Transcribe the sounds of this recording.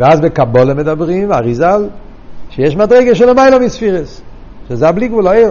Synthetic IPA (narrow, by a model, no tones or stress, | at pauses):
vɛazbɛkabolemedabʁimaʁizal | ʃejɛʃmadʁejɡaʃ̬ɛlemajlamisfiʁes | ʃezɛabliɡvulaej